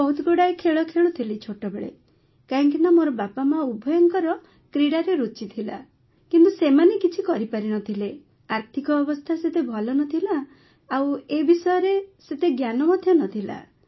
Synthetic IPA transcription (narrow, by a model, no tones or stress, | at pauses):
bɔɦut̪ɔkuɽajkʰeɭɔkʰeɭut̪ʰilit͡ʃʰoʈɔbeɭḛ | kaŋkinamoɾɔbapamaubʱɔjɔŋkɔɾɔ | kɾiɽaɾeɾut͡ʃit̪ʰila̰ | kint̪usemanekit͡ʃʰikɔɾipaɾinɔt̪ʰile | aɾt̪ʰikɔɔbɔst̪ʰaset̪ebʱɔlɔnɔt̪ʰilaː | webisɔjɔɾeset̪eɡjanɔmɔd̪ʱjɔnɔt̪ʰila̰